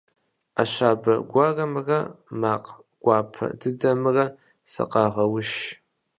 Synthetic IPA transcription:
aɕʷaːbɐɡʷɑrɐmɨrɐmaːq | ɡ̥ʷɑːpʰɐ̰dɨdɐmɨrɐ | sɐ̰qɑːʁɐwʊʃ

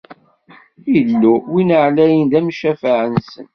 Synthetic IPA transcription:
ilːuwinəʕlæjənd̪æmʃæfəʕənsən

